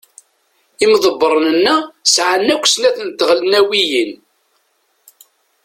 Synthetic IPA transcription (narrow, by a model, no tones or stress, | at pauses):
imðˤəbːəɾˤnənːæsʕanːækʷːsnæθnt̪ːəʁlnæwijin